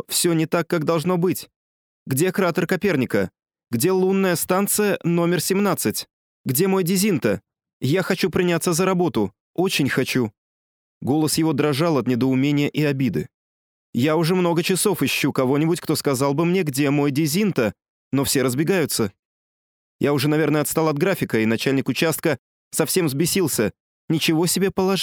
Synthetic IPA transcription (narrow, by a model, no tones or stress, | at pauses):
fsʲonʲɪt̪akːakd̪ɐlˠʐno̞bɨtʲ | ɡdʲekɾat̪ərkɐpʲe̞rnʲɪkə | ɡdʲe̞lˠunːəjəst̪ant̪sɨjəno̞mʲɪrsʲɪmnat̪sɨtʲ | ɡdʲe̞mo̞jdʲɪzʲint̪ə | jaxɐt͡ɕupɾʲɪnʲat̪sːəzəɾɐbo̞t̪ʊ | o̞t͡ɕɪnʲxɐt͡ɕu | ɡo̞lˠəsjɪvo̞d̪ɾɐʐalˠɐt̪nʲɪd̪əʊmʲenʲɪjəʔɪɐbʲid̪ɨ̰ | jaʊʐɛmno̞ɡət͡ɕɪso̞fɪɕːukɐvo̞nʲɪbʊtʲkt̪o̞skɐzɑlˠbɨmnʲeɡdʲe̞mo̞jdʲɪzʲint̪ə | no̞fsʲe̞ɾəzbʲɪɡajʊt̪sə | jaʊʐɛnɐvʲernəjəɐt̪st̪alˠɐd̪̚ɡɾafʲɪkəɪnɐt͡ɕælʲnʲɪkʊt͡ɕast̪̚kə | sɐfsʲe̞mzbʲɪsʲilˠsʲə | nʲɪt͡ɕɪvo̞sʲɪbʲe̞pəlˠɐʐ